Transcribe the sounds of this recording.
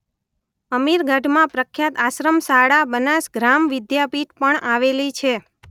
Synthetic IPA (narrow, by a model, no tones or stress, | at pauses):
əmiɾɡʱəɖmãpɾəkʰːjat̪aʃɾəmsaɽabənasɡɾamʋɪd̪japiʈ̪pəɳaʋelit͡ʃʰe